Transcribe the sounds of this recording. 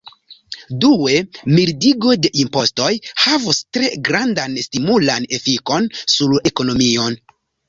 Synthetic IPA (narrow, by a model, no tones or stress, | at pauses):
due̞miɾdiɡo̞de̞ʔimpo̞sto̞jhavustɾe̞ɡɾandanstimulane̞fiko̞nsule̞ko̞no̞mio̞n